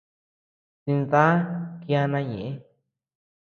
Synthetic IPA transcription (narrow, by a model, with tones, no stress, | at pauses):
si˧nða˦ki˦˧a˧nã˧ɲḛ̃˨ʔẽ˦